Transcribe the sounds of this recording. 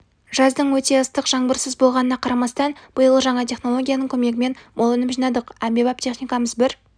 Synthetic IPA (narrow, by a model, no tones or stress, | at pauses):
ʒ̥ɑzd̪əɴwɵt̪e̞əst̪əqʒɑɴbəɾsəzbo̞lˠʁɑnənɑqʰɑɾɑmɑst̪ɑnb̥əjəlˠəʒɑɴɑt̪ʰʲe̞χno̞lˠo̞ɡʲijanəɴkʲʰɵme̞ɡʲɪme̞nbo̞lˠɪnɪpʒinɑd̪əqæmbe̞bɑp̚t̪ʲʰe̞χnijkɑməzbɪɾ